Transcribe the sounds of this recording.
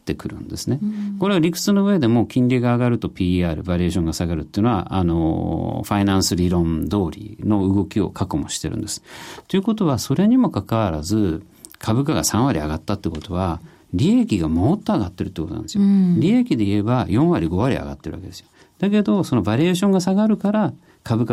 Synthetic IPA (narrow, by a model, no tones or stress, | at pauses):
t̪ːekɯ̟ɾɯ̟̰̃nd̪e̞sɨne̞ko̞ɾe̞aɾʲikɯ̟̥t͡sɨno̞ɯ̟βe̞d̪e̞mo̞ːkʲĩnɾʲiɡaːɡaɾɯ̟t̪o̞pʲiːaːɾɯ̟baɾʲieːɕ̬õ̞ŋɡasaɡaɾɯ̟t̪ːeiɯ̟noa̰ʔa̰noɸainãɰ̃sɨɾʲiɾõ̞nd̪o̞ːɾʲḭno̞ɯ̟ɡo̞kʲio̞̰kʰakomo̞ɕi̥t̪e̞ɾɯ̟̰̃nd̪e̞sɨ̥t̪ːoiɯ̟ko̞t̪o̞βaso̞ɾe̞ɲ̟imo̞kakaβaɾazɨ | kʰabɯ̟kaɡa̰sãɰ̃βaɾʲia̰ɡat̪ːat̪ːeikot̪o̞βa | ɾʲiekʲiɡamot̪ːo̞aɡat̪ːe̞ɾɯ̟t̪ːeːkot̪onã̰nd̪esjoɾʲiekʲid̪e̞ie̞bajõ̞ɰ̃βaɾʲiɡo̞βaɾʲḭa̰ɡa̰t̪ːe̞ɾɯ̟βa̰ked̪esɨ̥jo | d̪̥ake̞d̪o̞so̞no̞baɾʲieɕõ̞ŋɡasaɡaɾɯ̟kaɾa | kʰabɯ̟ka